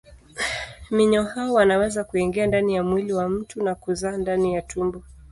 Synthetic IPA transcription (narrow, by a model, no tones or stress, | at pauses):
miɲɔhaɔwanawɛzakuɛŋɡɛandanijamwiliwam̩tunakuzaːndanijatumbɔ